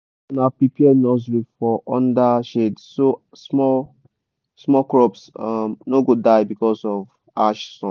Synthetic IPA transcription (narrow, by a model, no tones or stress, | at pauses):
napipiɛnɔzɹifɔʔɔ̃ndaʃedso | smɔ | smɔkɹɔpsamnoɡodaɪbikɔsɔv | aʃsɔ̃n